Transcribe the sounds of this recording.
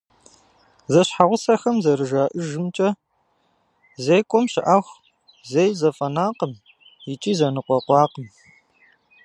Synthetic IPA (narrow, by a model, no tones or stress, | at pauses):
zɐɕħaʁʷʊsɐxɐmzɐɾɨʒaːʔɨʒɨmt͡ʃʼɐ | zejkʷʼɔmɕɪʔaxʷ | zejzɐfʼɐnaːqəm | jɪt͡ʃʼiːzɐnɨqʷɔqʷɑːqəm